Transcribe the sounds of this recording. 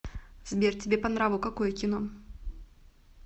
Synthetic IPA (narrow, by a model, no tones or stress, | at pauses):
zʲbʲert͡sʲibʲɛpanɾavɨwkakɔjɛkʲinɔ